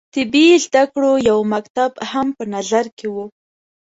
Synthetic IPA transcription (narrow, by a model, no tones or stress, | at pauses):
t̪ɪbizd̪akɽojawmakt̪abhampənazaɾkewu